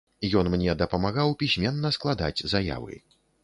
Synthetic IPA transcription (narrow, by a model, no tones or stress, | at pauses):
jɔnmnʲɛd̪ɐpɐmaɣawpʲisʲmʲɛnːɐsklˠad̪a̰d͡zʲzaja̰vɨ̰